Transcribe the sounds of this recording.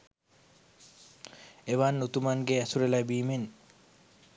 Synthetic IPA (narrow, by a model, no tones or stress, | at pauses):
eʋanːut̪umaŋɡeæsuɾelæbiːmen